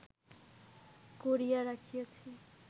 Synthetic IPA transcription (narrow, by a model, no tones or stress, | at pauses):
koɾijaɾakʰijet͡sʰi